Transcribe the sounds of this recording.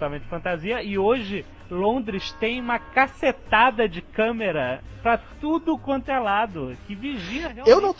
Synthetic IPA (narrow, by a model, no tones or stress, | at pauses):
t̪ɐmẽt͡ʃɪ̥fɐ̃nt̪aziɐɪoʒɪ | lõnd̪ɾɪst̪ẽj̃ũmɐkaset̪ad̪ɐd͡ʒɪkɐ̃meɾɐpɾɐt̪ud̪ʊkõnt̪elad̪ʊkɪviʒĩɐɦeaewnɐ̃w̃